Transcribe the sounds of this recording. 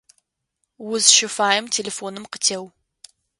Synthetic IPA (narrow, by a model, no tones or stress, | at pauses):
wʊzʃɪfaːjɪmtʰeːlefoːnɨmqətʰew